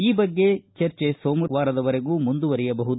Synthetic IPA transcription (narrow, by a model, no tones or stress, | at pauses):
iːbɐɡːe̞t͡ʃɐɾt͡ʃesoːmʋaːɾɐd̪ɐʋɐɾe̞ɡuːmund̪uʋɐɾɛjɐbɐɦud̪u